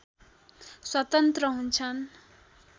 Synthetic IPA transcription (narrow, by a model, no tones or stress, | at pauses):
swʌt̪ʌnt̪rʌɦunt͡sʰʌn